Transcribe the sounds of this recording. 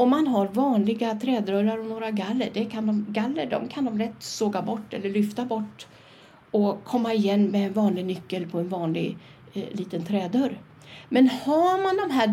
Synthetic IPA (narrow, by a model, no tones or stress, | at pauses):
ɔmːanɦaɾvɑːnlɪɡat̪ʰɾɛːd̪œɾaɾɔnoːɾaɡalːəɖɛkʰand̪ɔmɡalːəɖɔ̰mkʰand̪ɔmlɛt̪ːsoːɡabɔʈːɛ̰lːəɭʏft̪abɔʈː | ɔkʰɔmːaɪjɛnːmɛːnvɑːnlɪɡnʏkːəlpʰɔɛnvɑːnlɪ̰ɡ | liːt̪ənt̪ʰɾɛːd̪œɾ | mɛnhamand̪ɔmɦæː